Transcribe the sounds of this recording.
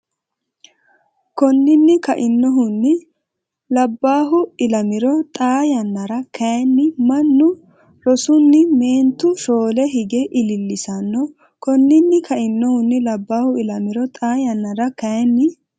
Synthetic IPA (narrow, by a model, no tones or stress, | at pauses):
kɔnːɪnːɪkɐʔɪnːɔɦʊnːɪ | lɐbːaːɦʊɪlɐmɪɾɔt̪ʼaːjɐnːɐɾɐkɐjɛnːɪmɐnːʊ | ɾɔsʊnːɪmeːnt̪ːʊʃoːlɛɦɪɡɛʔɪlɪlːɪsɐnːɔ | kɔnːɪnːɪkʰɐʔɪnːɔhʊnːɪlɐbːaːhʊɪlɐmɪɾɔt̪ʼaːjɐnːɐɾɐkɐjɛnːɪ